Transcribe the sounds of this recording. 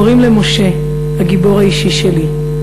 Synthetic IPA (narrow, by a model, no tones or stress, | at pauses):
ʁimlemo̞ʃe̞ | haɡibo̞ʁhaiʃiʃeli